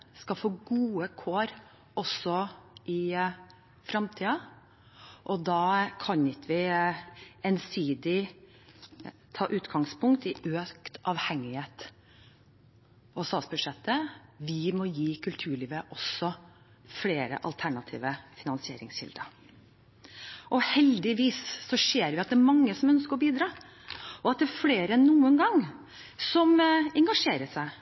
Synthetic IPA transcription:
skɑfoːɡuːəkʰoːɾ | ɔsɔʔɪ | fɾɑmt̪ʰiːɑ | ʔɔd̪ɑːkʰɑnɪt̪ʋɪ | ɛnsiːd̪ɪ | t̪ʰɑːʔʉːt̪ɡɑŋspʰʊŋkt̪ɪʔøːkt̪ɑʋhɛŋːɪheːt̪ | ɔsɑːsbʉʂɛt̪ːəʋɪmɔjiːkʰʉlt̪ʰʉːɭiːʋəʔɔsɔ | fleːɾə̰ʔɑ̰lt̪ʰæɳɑt̪ʰḭːʋəfɪnɑnsɪeːɾɪ̰ŋsɕɪ̰ld̪ə | ʔɔhɛld̪ɪʋiːsːɔʂeːɾʋɪɑt̪̚d̪ɛæɾmɑŋːəsɔmœnskəɾɔbiːd̪ɾɑː | ɔɑt̪̚d̪ɛfleːɾənuːənɡɑŋ | sɔmɛŋɡɑʂeːɾəʂæɪ

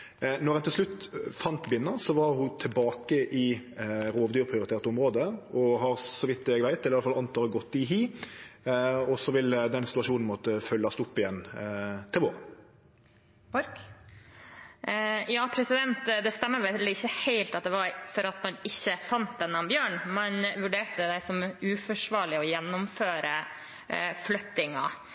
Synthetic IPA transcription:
nɔʁɛnt̪ʰɪlʂlʉt̪fɑnt̪bɪnːənsɔʋɑʁhʊt̪ʰɪlbɑːkəʔɪɾoːʋd̪yːɾpʰɾɪʊɾɪt̪eːʁt̪əʊmɾoːd̪əɔɦɑɾsɔʋɪt̪̚d̪ɛɛɡʋæɪt̪ɛlːɪjɑlfɑlɑnt̪ɑʁəɡɔt̪ːɪɦiː | ɔsɔʋɪld̪ɛnsɪt̪ʉɑʃuːnn̩mɔt̪əfœlːɑst̪ʊpːɪjɛnːt̪ʰɪlʋoːʁə | ɾ | jɑːpʰɾɛsɪd̪ɛnt̪d̪ɛst̪ɛmːəɾʋɛlːəɪçːəheɪlt̪ɑt̪̚d̪ɛʋɑɾfɔɾɑt̪mɑnɪçːəfɑnt̪̚d̪ɛnːɑmbjøːɳmɛnʋʉɖeːʈəəd̪æɪsɔmʉːfɔʂʋɑːɭɪɔjɛnːʊmføːɾə | flœt̪ɪŋɑ

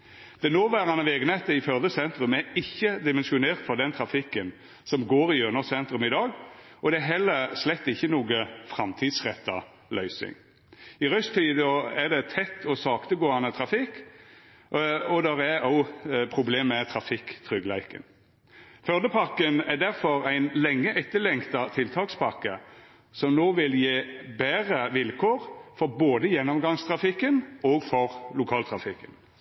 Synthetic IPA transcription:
d̪̥ɛnoːʋæːɾɑnəʋeːɡənɛt̪əɪfœʁd̪əsɛnt̪ɾʉmæɾɪçːəd̪ɪmɛnʃʊneːʁt̪fɔʁd̪ɛnt̪ʰɾɑfɪkːən | sɔmɡoːɾɪøːnɔsɛnt̪ɾʉmɪd̪ɑːɡ | ɔd̪ɛæɦɛlːəɾslɛt̪ːɪçːənuːɡəfɾɑmt̪ʰiːd̪sʁɛt̪ːɑ̰ | lœʏsɪ̰ŋ | ɪʁœst̪ʰiːd̪ɔɛd̪ɛt̪ʰɛt̪ːɔsɑːkt̪əɡoːɑnət̪ʰɾɑfɪkː | ɔd̪ɛʁæɑʊpʰʁʊbleːmɛt̪ʰɾɑfɪkt̪ʰʁʏɡlæɪkə̰n | fœʁd̪əpʰɑkənæd̪æʁfɔɾæɪnlɛŋːəʔɛt̪ːəlɛŋkt̪ɑt̪ʰɪlt̪ʰɑːkspʰɑkːə | sɔmnoːʋɪljeːbæːʁəʋɪlkʰoːʁfɔʁboːd̪əjɛnːɔmɡɑŋst̪ʰʁɑfɪkːənɔːɡfɔɾlʊkʰɑːlt̪ʰʁɑfɪkːən

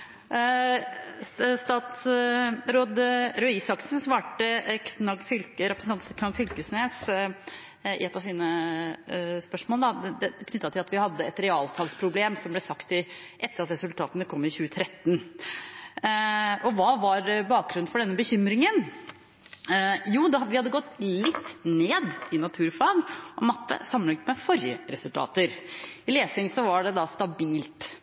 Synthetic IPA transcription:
st̪ɑːt̪sɾoːd̪ɾœɪsɑksn̩sʋɑːʈəkʰnɑɡfʏlkəɾɛpɾəsn̩ɑnt̪kʰnɑɡfʏlkəsneːs | ɪ̰ɛt̪ːɑʋsiːnə | spœʂmoːləd̪ɑd̪ɛkʰnʏt̪ːɑt̪ʰɪlɑt̪ʋɪhɑd̪ːəɛt̪ɾɛɑːlt̪ʰɑlspʰɾʊbleːmsɔmblɛsɑkt̪ɪʔɛt̪ːəɾɑt̪ɾɛsʉlt̪ʰɑːt̪nəkʰɔmːɪçʉːət̪ʰɾɛt̪ːn̩ | ʔɔʋɑːʋɑɾbɑːk̚ɡɾʉnnfɔɖɛnːəbəçʏmɾɪŋən | juːd̪ɛʋɪhɑd̪ːəɡɔt̪ːlɪt̪ːneːd̪ɪnɑt̪ʰʉːɾfɑːɡʔɔmɑt̪ːə̰sɑmːənɪŋt̪mɛfɔɾjə̰ɾɛsʉlt̪ʰɑ̰ːt̪əɾɪleːsɪŋsɔʋɑɖɛd̪ɑst̪ɑbiːlt̪

